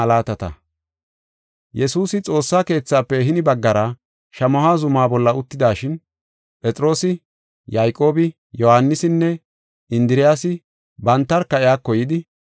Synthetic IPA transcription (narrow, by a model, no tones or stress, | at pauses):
ɐlaːt̪ɐt̪ɐ̰ | jɛsuːsɪt͡sʼo̞ːsːaːke̞ːt͡sːaːpːɛɦɪnɪbɐɡːɐɾɐ | ʃɐmɔhaːzʊmaːbɔlːɐʊt̪ːɪd̪aːʃɪn | pʼɛt͡sʼɾo̞ːsɪ | jajkʼo̞ːbɪ | jɔhanːɪsɪnːɛ | ɪnd̪ɪɾɪjaːsɪ | bɐnt̪ːɐɾkɐɪjaːkːɔjɪd̪ɪ